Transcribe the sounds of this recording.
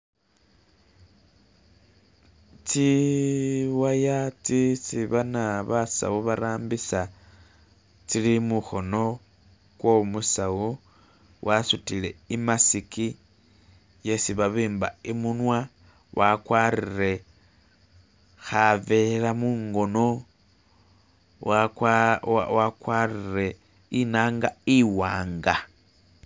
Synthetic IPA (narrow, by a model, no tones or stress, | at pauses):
t͡si | wajat͡sit͡siβanaβasa̰uβaɾaːmbisa | t͡silimuxo̞no̞ | kwo̞musawu | wʔasutile̞imasiki | je̞siβaβiːmba̰imunwa | wakwaːrire̞ | xave̞lamuːŋɡo̞no̞ | a̰wakwaːrire̞ | inaːŋɡaiwaːŋɡa